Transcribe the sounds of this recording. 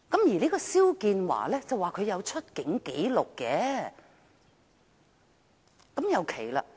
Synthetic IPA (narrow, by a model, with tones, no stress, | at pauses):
kɐ˨˥mjiː˨˩nei˥kɔː˧siː˥wkiː˧nwa̰ː˨˩lɛː˥t͡sɐ˨wːaː˨˩kʰɵ˨˧ɥjɐ˨˧wt͡ʃʰɵ˥t̚kɪ˨˥ŋke˨˥jlʊ˨kːɛː˨˥ | kɐ˨˥mjɐ˨˧wkʰe˨˩jla̰ː˧